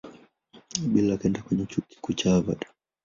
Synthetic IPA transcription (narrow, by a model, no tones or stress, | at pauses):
ɓilakɛndakwɛɲɛt͡ʃuki̥kut͡ʃava̰ɗḁ